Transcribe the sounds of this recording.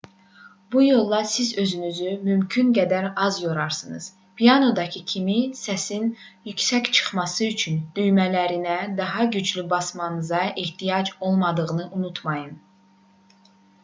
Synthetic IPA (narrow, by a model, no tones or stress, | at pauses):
bujo̞lˠːɑsizø̞zynyzymymcʰynɡæd̪æɾɑzjoɾɑɾsɯnɯ̰z̥ | pʰijɑno̞d̪ɑcʰɯcʰimisæsin | jycsæct͡ʃʰɯ̥χmɑsɯyt͡ʃʰynd̪yjmælæɾinæd̪ɑɦɑɟyd͡ʒlybɑsmɑnɯzɑʔiht̪ijɑd͡ʒo̞lˠmɑd̪ɯʁɯnɯʔunut̪ʰmɑjɯn